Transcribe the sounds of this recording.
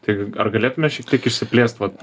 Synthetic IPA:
t̪ɐɪɡʲɐrɡɐlʲeːt̪ʊmʲɛʃʲɛk̚t̪ʲiɛkɪʃʲsʲɪpʲlʲeːst̪ʋɐt̪

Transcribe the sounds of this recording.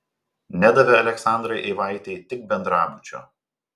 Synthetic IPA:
nʲæd̪ɐʋʲɛɐlʲɛksɑˑnd̪ɾɐɪʔɛɪʋɑˑɪt̪ʲɛɪt̪ʲɪk̚bʲɛnd̪ɾɑːbʊt͡ʃʲo̰ː

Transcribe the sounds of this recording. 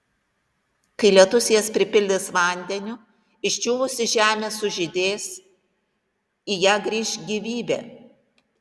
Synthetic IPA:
kɐɪlʲiɛt̪ʊsʲɪjɛspʲɾʲɪpʲɪlʲd̪ʲɪsʋɑˑnʲd̪ʲɛnʲʊ | ɪʃʲt͡ʃʲuːʋʊsʲɪʒʲæːmʲeːsʊʒʲɪd̪ʲeːs | ijæːɡɾʲiːʃɡʲiːʋʲiːbʲḛː

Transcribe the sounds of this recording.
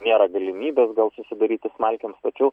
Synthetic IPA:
nʲeːɾɐɡɐlʲɪmʲiːbʲeːsɡɐlˠsʊsʲɪd̪ɐɾʲiːt̪ʲɪsmɐlʲkʲɛmst̪ɐt͡ʃʲɛʊ

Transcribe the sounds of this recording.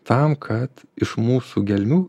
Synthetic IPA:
t̪ɐmkʰɐt̪ɪʃmuːsuɡʲɛlʲmʲuː

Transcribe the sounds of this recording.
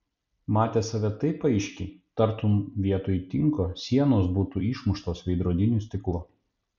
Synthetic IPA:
mɑːt̪ʲeːsɐʋʲɛt̪ɐɪpɐɪʃʲkʲɪt̪ɐɾt̪ʊmʋʲiɛt̪oːjt̪ʲɪŋkoːsʲiɛnoːsbuːt̪uːiːʃmʊʃt̪oːsʋʲɛɪd̪ɾuɔd̪ʲɪnʲuːˑsʲt̪ʲɪklˠʊ

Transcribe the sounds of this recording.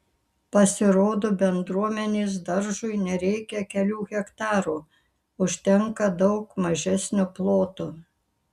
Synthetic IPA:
pɐsʲɪɾoːd̪oːbʲɛnd̪ɾuɔmʲɛnʲeːs̬d̪ɐɾʒʊɪnʲɛɾʲɛɪkʲɛkʲɛlʲuːɣʲɛkt̪ɑːɾuː | ʊʃʲt̪ʲɛŋkɐd̪ɒʊkmɐʒʲɛsʲnʲʊplˠoːt̪uː

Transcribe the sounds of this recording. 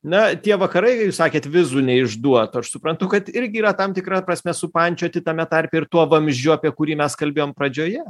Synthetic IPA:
nɐt̪ʲiɛʋɐkɐɾɐɪkɐjuːsɑːkʲeːt̪ʋʲɪzuːnʲɛɪʒd̪uɔt̪ːɐʃsʊpɾɐnt̪ʊkɐt̪ɪɾʲɡʲɪiːɾɐt̪ɐmt̪ʲɪkɾɐpɾɐsʲmʲɛsʊpɐnʲt͡ʃʲoːɐt̪ʲɪt̪ɐmʲɛt̪ɐɾʲpʲɛːɪɾt̪uɔʋɐmʲʒʲd͡ʒʲʊɐpʲiɛkʊɾʲiːmʲɛskɐlʲbʲeːjoːmpɾɐd͡ʒʲoːjɛ

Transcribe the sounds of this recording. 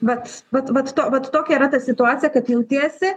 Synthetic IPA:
ʋɐt̪ʋɐt̪ʋɐt̪t̪oːʋɐt̪t̪oːkʲɛiːɾɐt̪ɐsʲɪt̪ʊɑːtt͡sʲɪjɛkɐtjɛʊt̪ʲeːsʲɪ

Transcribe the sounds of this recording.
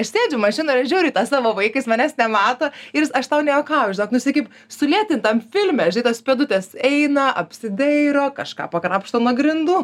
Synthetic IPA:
ɐʃsʲeːd͡ʒʲʊmɐʃʲɪnoːɪɾɐʒʲuːɾʲɪːt̪ɑːsɑːʋoːʋɐɪkɐɪsmɐnʲæsnʲɛmɑːt̪oɪɾsɐʃt̪ɐʊnʲɛːjokɑːʒʲɪnoːknʊsʲɪkʲɪp | sʊlʲiɛt̪ʲɪnt̪ɐmfʲɪlʲmʲɛʒʲɪnɪt̪oːspʲeːd̪ʊt̪ʲɛsɛɪnɐʔɐpʲsʲɪd̪ʲɛɾoːkɐʃkɑ̰ːpɐkɾɑːpʃt̪oːnuɔɡɾʲɪnd̪uː

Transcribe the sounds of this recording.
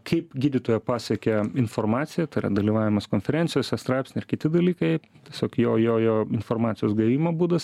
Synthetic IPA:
kʰɐɪpɡʲiːd̪ʲit̪oːjɛpɑːsʲɛkʲɛɪnfoːrmɑːt̪sʲɪjɛt̪ɐɪrɐ̰d̪ɐlʲiːʋɑːʋʲɪmɐskoːnʲfʲɛɾʲɛnʲtsʲɪjoːsʲɛst̪ɾɑɪpʲsʲnʲɪɪrɾkʲɪt̪ʲɪd̪ɐlʲiːkɐɪttʲiɛsʲoːkjoːjoːjoːɪnformɑːt̪sʲɪjoːsɡɐʋʲiːmoːbuːd̪ɐs

